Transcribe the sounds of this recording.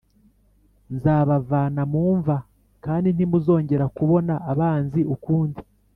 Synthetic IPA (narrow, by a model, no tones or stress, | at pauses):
nzaːβavaːnamuːɱva | kaːndin̥imuzo̞ːɲɟe̞ɾakuβo̞naʔːβaːnziʔukuːndi